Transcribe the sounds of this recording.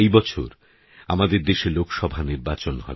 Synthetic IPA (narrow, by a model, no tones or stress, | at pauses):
ejbɔt͡ɕʰo̰ɾ | amad̪eɾd̪eʃelokʃɔbʱaniɾbat͡ɕonɦɔ̰be